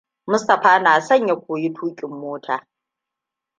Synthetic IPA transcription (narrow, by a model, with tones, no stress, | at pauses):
mʊ˦stɐ˨ɸaː˦naː˨sɐ˦˨ɲja˨kʷoː˨ji˦tʰuː˦kʲʼɪ˨mːoː˦tʰaː˨